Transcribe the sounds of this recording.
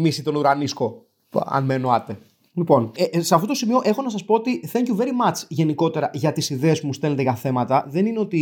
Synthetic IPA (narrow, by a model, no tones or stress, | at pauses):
misit̪o̞nuɾɐnisko̞ | ɐ̰nmeːnoɐt̪e̞ | lipo̞neseɐft̪ot̪osimio̞ʔe̞xo̞nɐs̬ɐspo̞ot̪iθeɲcuve̞ɾimɐt͡sʝe̞niko̞t̪e̞ɾɐʝɐt̪isiðe̞ːsmust̪e̞let̪eʝɐθe̞mɐt̪ɐðe̞nineo̞t̪i